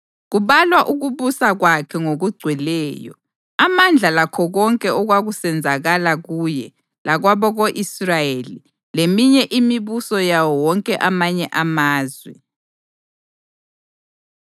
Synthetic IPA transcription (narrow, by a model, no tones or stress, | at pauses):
ɣuβalwaʔuɣuβusaɣwakʰɛŋoɣuɡ͡ǀʱwɛlɛːjɔ̰ | amand͡ɮʱalakʰɔɣɔŋkʼɛɔɣwaɣusɛnd͡zʱaɣalaɣujɛ | laɣwaβɔɣoʔisrajeli | lemiɲɛʔimiβusɔjawɔwɔŋkʼɛʔamaɲɛʔamaːzwɛ̰